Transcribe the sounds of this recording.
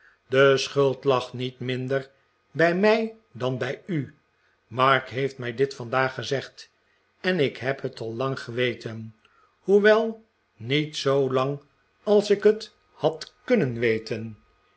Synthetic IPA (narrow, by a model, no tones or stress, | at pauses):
dəsχɵlˠtlɑχnitmɪndəɹ | bɛjmɛj | dɑnbɛjy | mɑɹkɦejftmɛjdɪtfɑndaːχəzɛχt | ɛnɪkɦɛpɦətɑlˠːɑŋχəʋejtʰən | huʋɛlˠ | nitsowlɑŋ | ɑlˠsɪkɦət | hɑtkɵnənʋejtən